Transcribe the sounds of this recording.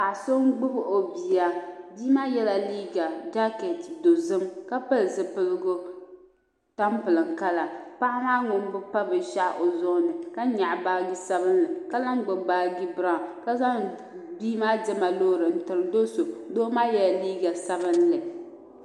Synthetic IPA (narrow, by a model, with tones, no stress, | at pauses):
a˨so˦ŋɡ͡bʊ˦bɨ˨ʔo˨bi˨ja˦biː˦maː˦jɛ˦la˨liː˦ɡa˨d͡ʒa˦kɛ˨tdo˨zɨ˦mka˦pɨ˦lzɨ˨pɨ˦lɨ˦ɡʊ˦ | ta˦mpɨ˨lɨ˨ŋka˦la˨pa˦ʔmaː˦ŋʊ˨m˦bʊ˦pa˦bɨ˨ʃa˦ʔʔo˨zʊ˦ʔnɨ˨ka˦ɲa˨ʔbaː˦ɡi˦sa˦βɨ˦nlɨ˨ka˦la˦ŋɡ͡bʊ˨baː˦ɡi˦bɾa˦˨ka˦za˦ | biː˦maː˦dɪ˦ma˨lo˦˨ɾɨ˨n̩˨tɨ˨ɾɨ˨˦do˦so˨doː˦maː˦jɛ˦la˨liː˦ɡa˨sa˦bɨ˦nlɨ˨